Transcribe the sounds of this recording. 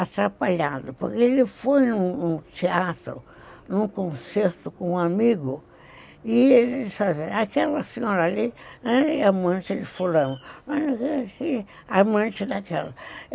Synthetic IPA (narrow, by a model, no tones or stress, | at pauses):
at̪ɾapaʎad̪ʊpoɾkeelɪfojnʊ̃nʊ̃t͡ʃ̪eat̪ɾʊ̰ | nũkõseɾt̪ʊkõũamiɡʊ | ɪelsazeakɛlɐsẽɲɔɾɐaliɛ̃iamɐ̃nt͡ʃɪelɪfulɐ̃wʊmanakesi | amɐ̃nt͡ʃɪd̪akɛlɐ